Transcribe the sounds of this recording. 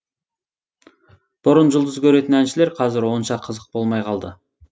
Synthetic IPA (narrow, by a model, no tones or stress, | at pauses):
b̥ʊɾʊnʒʊlˠd̪əzkʲʰɵɾe̞t̪ɪnænʃɪle̞ɾqʰɑzɪɾwo̞nʃɑqʰəzəq̚bo̞lˠmɑjqʰɑlˠd̪ə